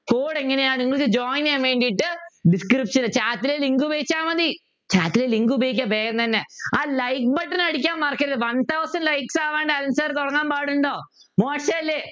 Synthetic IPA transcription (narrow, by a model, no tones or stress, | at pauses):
foːɽeŋːɐnejaːɳɨiŋːɐɭɨkːɨd͡ʑoːjnjaːmʋeːɳɖijʈːɨɖiskripʂɐnɨt͡ɕaːt̪ːileliŋɡubʱeːt͡ɕːaːmɐði | t͡ɕaːt̪ːileliŋɡubʱejikʲːaːbeːɾɐnt̪ɐnːeaːlɐjkbɐʈːinɐɽik̬ʲːaːmmaːrkːiɾɐðɨʋɐnt̪ʰɐwsɐnɖlɐjksaːʋeːɳɖɨɐlɐnsaːɾt̪ɔɽɐŋːaːmbaːɽuɳɖoː | moːʂɐɐlːe